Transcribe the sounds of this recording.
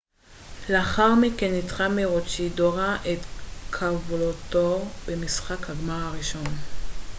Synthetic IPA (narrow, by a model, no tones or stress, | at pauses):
leaχaʁmikenːitχameʁot͡ʃidoʁaʔet̪kʰavulotobemisχakhaɡmaʁaʁiʃo̞n